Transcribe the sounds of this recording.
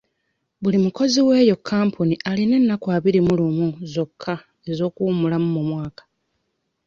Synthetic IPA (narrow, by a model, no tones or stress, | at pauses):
βulimuko̞ziwe̞ːjo̞kʰːaːmpʰuniʔaline̞nːakwaːβiɾimulumuzo̞kʰːa | e̞zo̞ːkuːmulamumumwaːkḁ